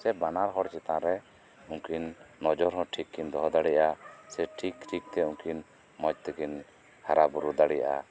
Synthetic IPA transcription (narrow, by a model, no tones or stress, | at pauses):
sɛbanaɾɦɔɽt͡ʃɛt̪ãɾɛ | ũŋkinːɔd͡ʒɔɾɦɔ̃ʈʰikʰːind̪ɔɦɔd̪aɽɛjaʔasɛʈʰikʈʰik̚t̪ɛũŋkin | mɔd͡ʒt̪ɛkin | haɾabuɾud̪aɽɛjaʔa̰